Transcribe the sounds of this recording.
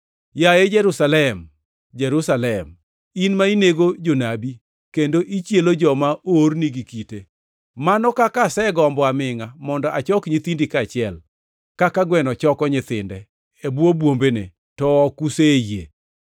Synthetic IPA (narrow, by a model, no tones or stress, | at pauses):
jajed͡ʒɛɾusalɛm | d͡ʒɛɾusalɛm | inmaineɡod͡ʒonabi | kendoʔit͡ʃjelod͡ʒɔmaʔorniɡikite | manɔkakasɛɡɔmbɔamɪŋamɔndɔʔat͡ʃɔkɲɪt̪indikat͡ʃɪɛl | kakaɡwɛnɔt͡ʃɔkɔɲɪt̪ɪndɛː | bwobwombenḛ | tɔːkusejḛ